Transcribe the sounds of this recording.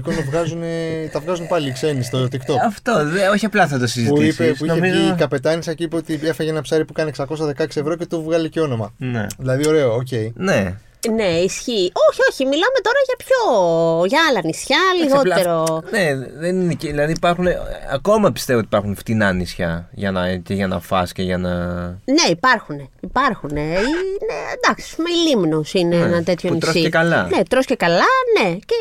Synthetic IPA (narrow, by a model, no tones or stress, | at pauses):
kont̪ɐvɣɐzunet̪ɐvɣɐzunpɐliːkse̞nist̪oeot̪ikt̪oɐft̪oo̞çiɐplɐθɐt̪osiziutispeuioemizkɐpe̞t̪ɐnisɐciipeot̪iefeʝeenɐpsɐɾipukɐneeksɐko̞sɐðe̞kɐeksievɾo̞ce̞t̪uvɣɐliceo̞no̞mɐnḛðilɐðioɾe̞ooc̬e̞ine̞ | ne̞isçiʔo̞çio̞çimilɐme̞t̪o̞ɾɐʝɐpçoʝɐɐlɐnisçɐliɣɣo̞t̪e̞ɾoneðenineceilɐðiipɐɾxuneɐ̰ko̞mɐpi̥st̪e̞vot̪ipɐɾxunft̪inɐnisçɐʝɐnɐceʝɐnɐfɐ̰sceʝɐnɐne̞ipɐɾxune̞ipɐɾxune̞ined̪ɐksi̥ɐ̥spumeilimnosineenɐnt̪e̞t̪ʰçonit̪sosiekɐlɐne̞t̪ɾoscekɐlɐne̞ce